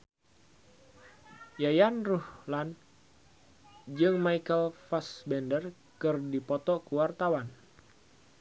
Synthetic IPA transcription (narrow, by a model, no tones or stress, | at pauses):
jajanruhlan | d͡ʒɨŋmajkəlfasbɛndər | kɨrdipɔt̪ɔkəwart̪awan